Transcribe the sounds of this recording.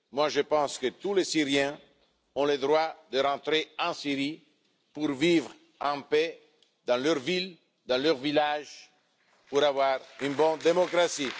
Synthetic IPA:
mwaʒəpɑ̃skət̪ulesiʁjɛ̃ | ɔ̃ləd̪ʁwad̪əɾɑ̃t̪ɾeɑ̃siɾi | puɾvivʁ | ɑ̃pe | d̪ɑ̃løʁvil | d̪ɑ̃løʁvilaʒ | puɾavwaʁynbɔ̃nd̪emɔkɾasi

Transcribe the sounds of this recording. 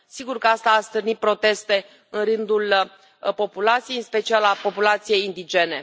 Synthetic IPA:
siɡurkəast̪aːst̪ɨrnit̪̚pɾo̞t̪e̞st̪e̞ | ɨnrɨnd̪ul | po̞pulat̪sijejɨnspe̞t͡ʃialapo̞pulat̪sije̞jind̪id͡ʒe̞ne̞

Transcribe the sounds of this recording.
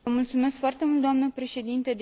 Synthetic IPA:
əmult̪sume̞skfoart̪e̞mult̪d̪oamnəpɾe̞ʃe̞d̪int̪əd̪

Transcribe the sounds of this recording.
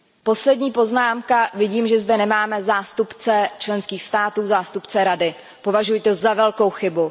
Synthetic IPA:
po̞slɛdɲiːpo̞znaːmkavɪɟiːmʒɛzdɛnɛmaːmɛzaːst̪upt͡sɛt͡ʃlɛnskiːxst̪aːt̪uːzaːst̪upt͡sɛɾadɪ | po̞vaʒujt̪ozavɛlko̞wxɪbu

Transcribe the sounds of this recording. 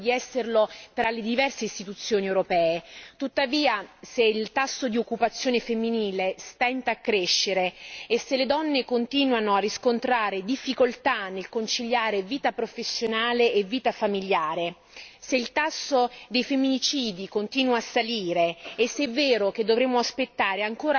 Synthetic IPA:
d̪iɛsːerlot̪ɾaled̪ivɛrseist̪it̪ut̪sːjoːniewɾopɛːet̪ut̪ːaviːaseilt̪asːod̪iokːupat̪sːjoːnefemːiniːlest̪ɛnt̪aːkːɾeʃːeɾeːsːeled̪ɔnːekont̪iːnwanoarːiskont̪ɾaːɾed̪ifːikolt̪anːelkont͡ʃiʎːaːɾeviːt̪apɾofesːjonaːleʔːvːiːt̪afamiʎːaːɾe | seilt̪asːod̪ejfemːinit͡ʃiːd̪ikont̪iːnwaːsːaliːɾeːsːɛvːeːɾok̟ed̪ːovɾemːoaspet̪ːaːɾeaŋkoːɾa

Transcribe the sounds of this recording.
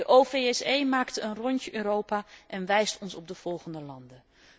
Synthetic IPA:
dəʔofeɛsejmaːktəənrɔɲcəʔøːɾowpaːʔɛnʋɛjstɔnsɔb̚dəv̥ɔlˠχəndəlɑndə

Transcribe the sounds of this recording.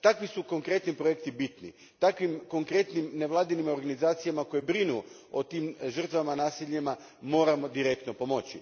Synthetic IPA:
t̪akʋisuko̞ŋkɾe̞t̪nipɾoje̞k̚t̪ibit̪nḭ | t̪akʋimko̞ŋkɾe̞t̪nimneʋlˠaːd̪inimo̞ɾɡanizaːt̪sijamako̞jebɾinu | ot̪iːmʒər̩t̪ʋamanaːsiʎema | mo̞ːɾamo̞d̪iɾe̞k̚t̪no̞po̞mo̞t͡ɕḭ

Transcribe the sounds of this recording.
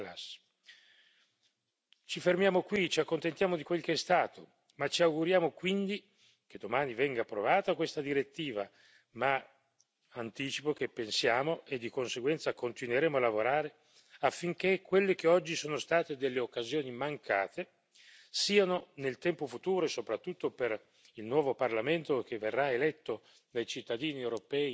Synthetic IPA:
la̰s | t͡ʃifermjaːmokwit͡ʃiakːont̪ent̪jaːmod̪ikwelkeɛst̪aːt̪o | mat͡ʃːiawɡuɾjaːmokwind̪i | k̟ed̪ːomaːnivɛŋɡaːpːɾovaːt̪akwest̪ad̪iɾet̪ːiːva | ma | ant̪iːt͡ʃipok̟epːensjaːmoʔed̪ːikonseɡwɛnt̪sakont̪inweɾɛːmoalːavoɾaːɾe | afːiŋkekʰːwelːekeɔd͡ʒːisoːnost̪aːt̪ed̪elːeokːazjoːnimaŋkaːt̪e | siːanonelt̪ɛmpofut̪uːɾoesopɾat̪ːut̪ːoper | ilnwɔːvoparlament̪okevːerːaelɛt̪ːo | d̪ajt͡ʃit̪ːad̪iːniewɾopɛːi

